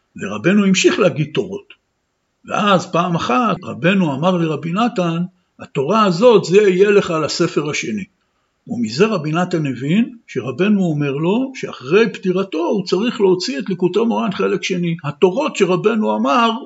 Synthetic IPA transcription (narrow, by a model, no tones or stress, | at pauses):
vḛʁa̰be̞nuimʃiχlehaɡid̚t̪o̞ʁo̞̰t | vḛʔazpaːmaχatʁa̰be̞nuamaʁliʁabinatan | hat̪o̞ʁaazo̞tzeijele̞χalase̞fe̞ʁaʃe̞ni | umize̞ʁabinatanːevinʃe̞ʁabe̞nuome̞ʁlo̞ʃea̰χʁe̞jbtiʁato̞ut͡saʁiχleot͡sietlikutemoʁanχe̞le̞kʃe̞nihat̪o̞ʁo̞tʃe̞ʁabe̞nuamaʁ